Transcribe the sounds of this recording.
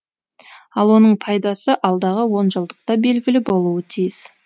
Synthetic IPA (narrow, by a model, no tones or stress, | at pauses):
ɑlˠwo̞nəɴpʰɑjd̪ɑsəʔɑlˠd̪ɑʁəwo̞nʒəlˠd̪əq̚t̪ɑbe̞lɡʲɪlɪbo̞lˠuət̪ʰijɪs